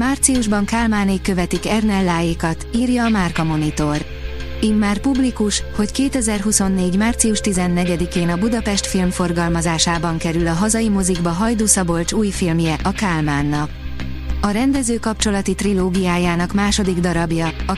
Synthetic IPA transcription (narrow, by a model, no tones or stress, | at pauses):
maːrt̪siuʒbɒŋkaːlmaːneːkːø̞vɛt̪ikɛrnɛlːaːjeːkɒt̪iːrjɒːmaːrkɒmo̞nit̪o̞r | imːaːrpublikuʃho̞ckeːt̪ɛzɛrɦuso̞nːeːɟmaːrt̪siuʃt̪izɛnːɛɟɛd̪ikeːnɒbud̪ɒpɛʃt̪filmfo̞rɡɒlmɒzaːʃaːbɒŋkɛɾylɒɦɒzɒjimoziɡbɒɦɒjd̪oːsɒbo̞lt͡ʃuːjfilmjɛʔɒkaːlmaːnːɒk̚ | ɒɾɛnd̪ɛzøːkɒp̚t͡ʃo̞lɒt̪it̪riloːɡijaːjaːnɒkmaːʃo̞d̪iɡd̪ɒɾɒbjɒɒ